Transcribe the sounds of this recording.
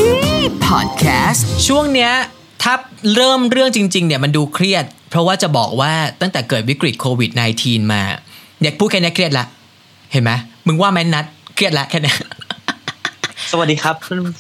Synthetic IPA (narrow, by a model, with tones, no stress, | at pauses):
pʰɔ̰ː˨˩t̪̚kʰɛː˦˥st͡ɕʰu˥˩əŋni˦˥ɐ | t̪ʰa˦˥˩p̚ɾɤː˥˩mɾɯ˥˩əŋt͡ɕi˧ŋt͡ɕi˧ŋni˥˩əma˧nduː˧kʰɾi˥˩ət̪̚pʰɾɔ˦˥waː˥˩t͡ɕa˨˩bɔː˨˩k̚waː˥˩t̪a˥˩ŋt̪ɛː˨˩kɤː˨˩t̪̚wi˦˥kɾi˨˩t̪̚kʰoː˧wi˨˩t̪̚na˧jt̪ʰiː˧nma̰ː˧jaː˨˩k̚pʰuː˥˩t̪̚kʰɛ˥nɛ˦˥kʰɾi˥˩t̪̚la˦˥ʔ | he˨˩˦nma˦˥mɯ˧ŋwaː˥˩mɛ˦˥na˦˥t̪̚kʰɾi˥˩t̪̚la˦˥ʔkʰɛː˥˩na˦˥ | sə˧wa˨˩diː˧kʰa˦˥p̚